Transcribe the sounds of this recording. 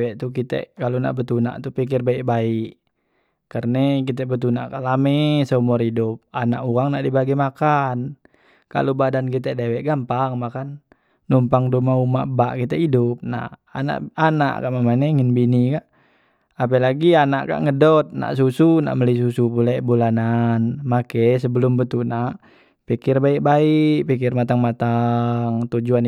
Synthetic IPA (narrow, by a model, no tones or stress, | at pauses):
wɛʔt̪ukit̪ɛ̰ʔkaluna̰ʔbət̪una̰ʔt̪upik̬irbaiʔbaiʔ | kərnɛk̬it̪̬ɛbət̪unaʔkalamɛsəmɔridup̚anaʔuaŋnaʔdibaɡɛmakan | ka̰lubadankit̪̬ɛdɛwɛʔɡampaŋmakanː | umpaŋdumaumaʔbaʔkit̪ɛidup̚na̰a̰na̰ʔana̰ʔka̰ʔmamanɛŋinbinikaʔ | ap̬ɛlaɡianaʔka̰ʔŋədɔt̪̚na̰ʔs̬usuna̰ʔməliis̬usupulɛbulananmakɛs̬əbəlumbət̪ulnaʔ | pikirbaik̚baikpikirmat̪aŋmat̪aŋt̪ud͡ʒuan